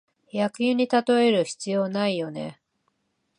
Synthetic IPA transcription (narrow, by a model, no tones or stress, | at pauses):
jakɯ̟jɯɲ̟it̪at̪o̞e̞ɾɯ̟çi̥t͡sɨjo̞ːnaijo̞ne̞̰